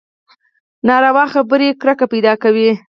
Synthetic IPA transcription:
nɑɾawɑxabəɾekɾakapajd̪ɑkawi

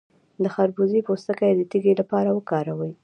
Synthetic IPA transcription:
d̪əxaɾbuzipost̪əkajd̪ət̪iɡelapɑɾawəkɑɾawəj

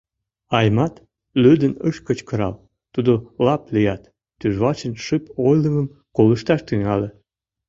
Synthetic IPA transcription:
ɑjmɑt̪ | lød̪ənəʃkə̆t͡ɕkəɾɑ̰l | t̪ud̪olɑplijɑt̪ː | yʒβɑt͡ɕənʃɨpojləməm | koləʃt̪ɑʃt̪yŋɑle

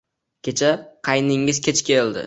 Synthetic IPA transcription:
kʲʰe̞t͡ʃʰaqʰɑjnɪŋɪzkʲʰet͡ʃʰkʲʰeld̪ɪ̰

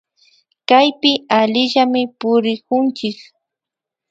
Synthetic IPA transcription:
kajpɪaʎɪʎamɪpʊɾɪkʊnt͡ʃɪk

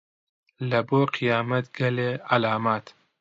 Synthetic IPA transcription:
lɐboːqʰijaːmɐt̪ɡɐleːʕalaːmaːt̪

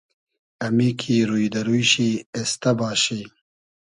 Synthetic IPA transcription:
ɐmikʰiɾujd̪ɐɾujɕiest̪ɐbaːɕi

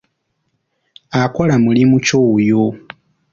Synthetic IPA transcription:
akolamulimucojo

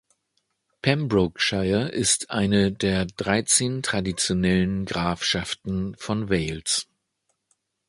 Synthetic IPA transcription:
pʰɛmbʁʊkʃaɪɐʔɪstʰʔa̰ɪnədeːɐdʁaɪt͡seːntʁ̥adit͡sjonɛlənɡʁaːfʃaftn̩fɔnvɛɪls

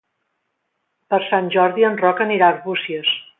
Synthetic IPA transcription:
pəɾsanʲʒɔɾðiənrɔkəniɾaɾβusiəs

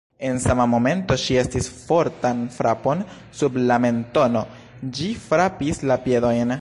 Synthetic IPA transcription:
e̞nsamamo̞me̞nto̞ʃie̞stisfo̞ɾtanfɾapo̞n | sublame̞nto̞no̞ | d͡ʒifɾapislapje̞do̞jn

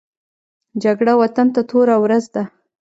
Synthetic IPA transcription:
d͡ʒaɡɽawat̪ant̪at̪oɾawɾazd̪a

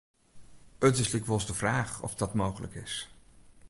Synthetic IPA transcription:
ətɪslɪkʋɔlˠzdəvraːχɔ̰fdɑtmowχələ̰kɪs

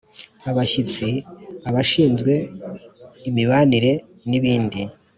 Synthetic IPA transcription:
aβaʃit͡siaβaʃiːnzɡwe̞ | imiβaniɾe̞ | niβiːndi

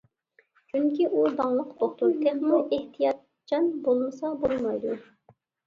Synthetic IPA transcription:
t͡ʃʰyŋkʲiʔud̪ɑŋlˠəqt̪ʰoχt̪uɾt̪ʰɛχnuʔeht̪ʰijɑt̪ | d͡ʒɑnbolˠməsɑbolˠmɑjd̪u

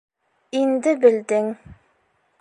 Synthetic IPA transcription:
ind̪ɘbɘ̆ld̪ɘŋ

